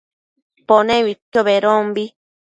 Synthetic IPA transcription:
ponẽβit̪joβeɾombi

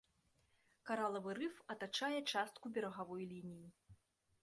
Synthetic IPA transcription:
kaɾalˠɐvɨɾɨfɐt̪at͡ʂajɛt͡ʂast̪kubʲɛɾɐɣavɔjlʲinʲiji

